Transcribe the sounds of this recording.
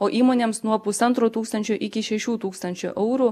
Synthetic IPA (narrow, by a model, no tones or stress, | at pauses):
oːʔiːmoːnʲeːmsnuɔpʊsɐnt̪ɾoːt̪uːkst̪ɐnʲt͡ʃʲʊʔɪkʲɪʃʲɛʃʲuːt̪uːkst̪ɐnʲt͡ʃʲʊ̰ʔɛʊɾu